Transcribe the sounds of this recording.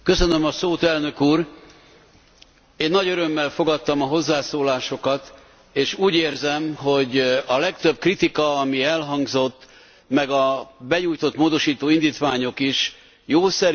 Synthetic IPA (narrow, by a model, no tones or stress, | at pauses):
kø̞sø̞nømɒsoːt̪ɛlnø̞kuːr | eːnːɒɟøɾø̞mːɛlfo̞ɡɒt̪ːɒmɒɦo̞zːaːsoːlaːʃo̞kɒt̪ | eːʃuːɟeːrzɛmɦo̞ɟɒlɛkt̪øb̚krit̪ikɒɒmiɛlɦɒŋɡzo̞t̪ː | mɛɡɒbɛɲuːjt̪o̞t̪moːd̪o̞ʃiːt̪oːind̪iːt̪ʋaːɲo̞kiʃ | joːsɛɾ